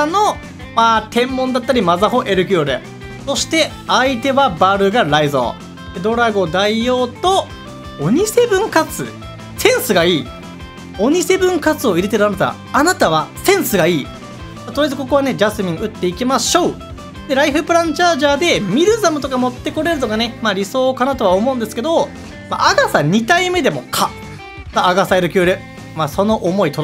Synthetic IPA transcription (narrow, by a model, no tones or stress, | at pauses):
ano̞ | maːt̪ẽ̞mːõnd̪at̪ːaɾʲimazaɦo̞ʔe̞ɾɯ̟k̬ʲioɾɯ̰ | so̞ɕi̥t̪e̞ | ait̪e̞βabaɾɯ̟ɡaɾaizo̞̰ː | d̪̥e̞d̪o̞ɾaɡo̞d̪aijo̞ːt̪o̞ | oɲ̟ise̞bɯ̟̃ŋkat͡sɨ̰ | sẽ̞ɰ̃sɨɡaiː | o̞ɲ̟ise̞bɯ̟̃ŋkat͡sɨo̞iɾe̞t̪e̞ɾɯ̟anat̪a̰a̰ | anat̪aβ̞asẽ̞ɰ̃sɨɡaiː | mat̪oɾjezɨko̞ko̞βane̞d͡ʑasɨmʲĩŋɯ̟t̪ːe̞ikʲimaɕo̞ː | d̪e̞ɾaiɸɯ̟pɯ̟ɾãɲt͡ɕaːʑaːd̪e̞mʲiɾɯ̟zamɯ̟t̪o̞kamo̞t̪ːe̞ko̞ɾe̞ɾɯ̟t̪okane̞maːɾʲiso̞ːkanat̪oβaomo̞ɯ̃nd̪esɨ̥ke̞d̪o̞ | ma̰ʔaɡasaɲ̟it̪aime̞d̪e̞mo̞̰kʰa | maaɡasaeɾɯ̟kʲɯːɾɯ̟ | maːso̞no̞ʔomo̞it̪oɾ